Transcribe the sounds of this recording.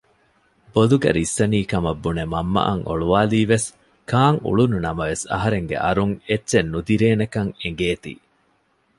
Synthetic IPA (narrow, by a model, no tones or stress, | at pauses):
boluɡɐ̰ɾisːɐniːkɐmɐbːunemɐmːɐ̰ʔɐ̰ŋʔo̰ɭuʋaːliːʋes | kaːŋṵɭununɐmɐʋesɐ̰ɦɐɾeŋɡḛʔɐɾuŋetːʃenːud̪iɾeːnekɐŋeŋɡeːt̪ḭː